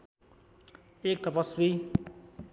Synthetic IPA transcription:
ek̚t̪ʌpʌswi

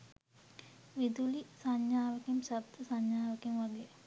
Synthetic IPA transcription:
ʋid̪ulisaɲːaːʋɐkimsəbt̪ʰːəsaɲːaːʋɐkimʋaɡe

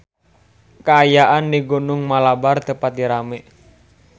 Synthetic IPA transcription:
kaːjaʔanːiɡonʊŋmalabart̪əpat̪̚diɾamɛ

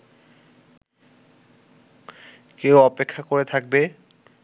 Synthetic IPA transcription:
kewɔpekʰːakoɾet̪ʰak̚be

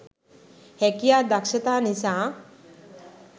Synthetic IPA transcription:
hɛkijad̪akʃət̪aːnisãː

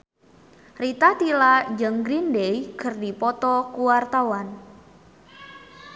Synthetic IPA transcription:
rit̪at̪ilad͡ʒəŋɡɾindejkərdipɔt̪ɔkuwart̪awan

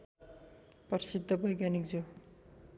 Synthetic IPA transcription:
pʌɾsid̪ʱːʌbʱʌjɡjanik̚d͡zo

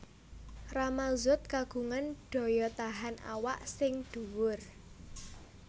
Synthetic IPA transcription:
ramazʊt̪̚kaɡ̥ṳŋanɖ̥ɔ̤jɔt̪aɦana̰waʔsɪŋd̪̥ṳwʊr

